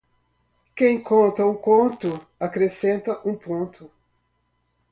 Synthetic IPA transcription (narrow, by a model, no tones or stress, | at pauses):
kẽj̃kõnt̪ɐukõnt̪ʊ | akɾesẽnt̪ɐʔũpõnt̪ʊ